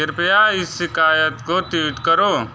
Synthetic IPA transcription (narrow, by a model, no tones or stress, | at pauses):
ɪɾpjaːɪsːɪkaːjət̪kot̪iːʈkɐɾoː